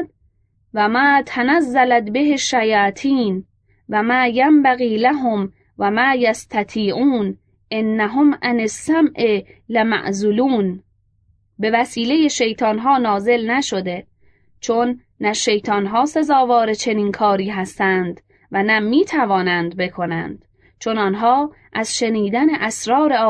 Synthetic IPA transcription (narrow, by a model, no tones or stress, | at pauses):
væmæːt̪ʰænæzːælæt̪beɦeʃːæjɒːt̪ʰiːn | væmæːjæmbæɣiːlæɦom | væmæːjæst̪ʰæt̪ʰiːʔuːn | ʔenːæɦomʔænesːæmʔelemæ̰ʔzuluːn | be̞væsiːle̞je̞ʃe̞jt̪ʰɒːnɦɒːnɒːze̞lnæʃo̞d̪e̞ | t͡ʃʰo̞nː | æʃe̞jt̪ʰɒːnɦɒːse̞zɒːvɒːɾet͡ʃʰe̞niːnkʰɒːɾiːɦæst̪ænd̪ | vænæmiːt̪ʰævɒːnænd̪̚be̞kʰo̞næ̰nd̪̥ | t͡ʃʰo̞nɒːnɦɒː | ʔæz̥ʃe̞niːd̪æne̞ʔæsɾɒːɾe̞ɒː